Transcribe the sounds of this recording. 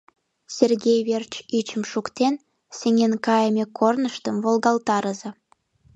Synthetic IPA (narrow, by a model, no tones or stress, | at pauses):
sʲerɣʲejβert͡ɕit͡ɕəmʃukt̪en | seŋenkɑjəmʲekʰornəʃt̪əmvolɣɑlt̪ɑɾəze